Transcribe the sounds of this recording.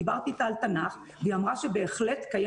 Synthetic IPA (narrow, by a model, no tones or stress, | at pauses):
baʁt̪it̪aːlt̪anaχ | veamʁaʃe̞be̞ːχle̞t̪kaja